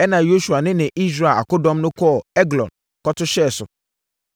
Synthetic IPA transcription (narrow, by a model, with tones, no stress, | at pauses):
ɛ˦nã˨jo˦ʃu˨a˨nɪ̃˦nɪ̃˨ʔi˦s̬ɾa˨a̰˨kʊ˦dɔ̃˦mnʊ̃˦kʰɔ˦˨ɛ˦ɡlɔ̰̃˨n | kɔ˦tʰʊ˦ɕɛ˦˨sʊ̰˨